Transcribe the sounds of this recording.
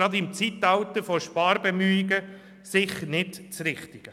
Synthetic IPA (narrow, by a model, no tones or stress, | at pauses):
ɾɑd̪ɪmt͡sit̪ɑwt̪əɾfɔʃpɑːɾbemyɪɡə | sɪχnɪtt͡sɾɪχt̪ɪɡ̥ə